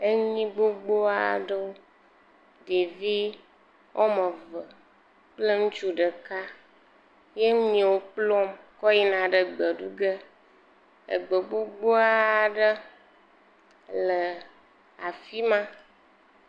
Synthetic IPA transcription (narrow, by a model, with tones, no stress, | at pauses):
e˦ɲĩ˦ɡ͡bo˦ɡ͡bo˦a̰˨ɖə˦wo˦ | de˨vi˦ | wʔo˦mə˨və˨ | k͡plə˦ŋũ˦t͡ʃu˦ɖə˨ka˦ | je˦ɲĩ˨wo˦k͡plɔ˦mkɔ˦ji˦nã˨ɖə˨ɡ͡bə˨ɖu˦ɡə˦ | ə̰˨ɡ͡bə˨ɡ͡bo˦ɡ͡bo˦a˦ɖə˦ | lə˨ | a˨fi˦mã˦